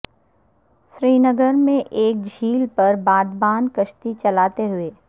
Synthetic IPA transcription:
ʃɾiːnəɡəɾmẽʔeːk̚d͡ʒʱiːlpɐɾbaːd̪baːnkəʃt̪it͡ʃɐlaːt̪eɦʊeː

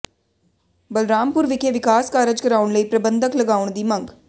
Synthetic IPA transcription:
bɐlɾaːmpʊɾʋɪkeʋɪkaːskaːɾəd͡ʒkɐɾaːʊɳləiːpɾɐbə̃nd̪ʱəklɐɡaːʋʊɳ̃d̪iːmɐ̃ŋɡ

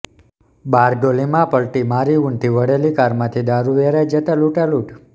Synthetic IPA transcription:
baɾɖolimãpəɭʈimaɾiuɳt̪ʰiʋəɽelikaɾmãt̪ʰid̪aɾuʋeɾajd͡ʒət̪aluʈaluʈ

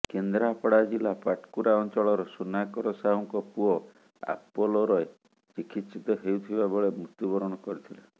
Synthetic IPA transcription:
kend̪ɾapɽad͡ʒilapaʈkuɾaɔnt͡ʃɔɭɔɾɔsunakɔɾɔsaɦɔŋkɔpuɔ | a̰pɔlɔɾɔe | t͡ʃikʰit̪sit̪ɔɦeut̪ʰibabɔɭemɾut̪ubɔɾɔɽ̃ɔkɔɾit̪ʰila

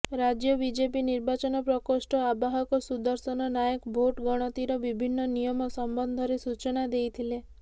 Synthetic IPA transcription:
ɾad͡ʒjɔbid͡ʒepiniɾbat͡ʃɔnɔpɾɔkɔsʈɔabaɦɔkɔsud̪ɔɾsɔnɔnajekbʱoʈɡɔɽ̃ɔt̪iɾɔbibʱinːɔnijɔmɔsɔmbɔnd̪ʱɔɾesut͡ʃɔnad̪ejt̪ʰile

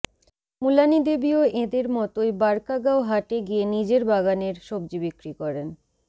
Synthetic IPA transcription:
mulanid̪ebioʔed̪eɾmɔt̪oebaɾkaɡaoɦaʈeɡienid͡ʑeɾbaɡaneɾʃob̚d͡ʑibikɾikɔɾen

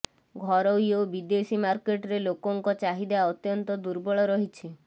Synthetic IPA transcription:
ɡʱɔɾɔjobid̪esimaɾkeʈɔɾelokɔŋkɔt͡ʃaɦid̪eaaɔt̪jɔnt̪ɔd̪uɾbɔɭɔɾɔɦit͡ʃʰi

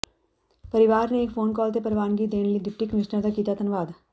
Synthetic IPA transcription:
pɐɾɪʋaːɾneːkfʰoːnkɔːlt̪epəɾʋaːnɡid̪eːnlid̪ɪp̚ʈikmɪʃnəɾd̪akiːt̪at̪ɐnʋaːd̪

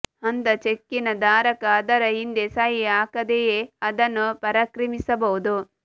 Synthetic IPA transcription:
ɐnt̪ɐt͡ʃekːinɐd̪aːɾɐkɐːd̪ɐɾɐɦind̪esɐɦiaːkɐd̪ejeɐd̪ɐnːupɐɾɐkɾimisɐbɐwud̪u

